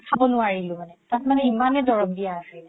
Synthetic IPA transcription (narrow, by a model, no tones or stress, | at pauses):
kʰabɔnʊaɹilʊ̃manɛtat̚manɛimanɛdɔɹɔk̚dijaasɛ